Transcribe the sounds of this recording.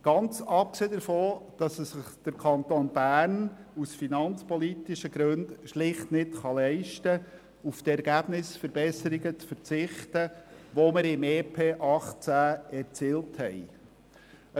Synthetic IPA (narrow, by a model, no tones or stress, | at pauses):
ɡ̥ɑnt͡sɑp̚kseːdəɾfoːd̥ɑsəsɪχd̪̥əɾkʰɑnt̪onb̥æːɾnusfinɑnt͡spɔlitɪʃəɡɾɵndʃlɪχtnɪtχɑlɛɪʃtə | uftɛɾɡ̥æb̥nɪsfəɾbɛsəɾiɡət͡sfəɾt͡sɪχtəʋoməɾɪmeːpʰeːʔɑχt͡sæːɛɾt͡siːlthɛj